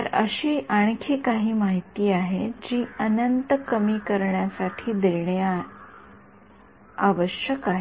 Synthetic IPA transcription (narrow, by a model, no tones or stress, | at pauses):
t̪əɾə̰ɕiːʔaɳ̃kʰiːkaɦiːmaɦit̪iːaɦed͡ʑiːənənt̪əkəmiːkəɾɳjasaʈʰiːd̪eɾɳja | aʋəɕjəkaɦe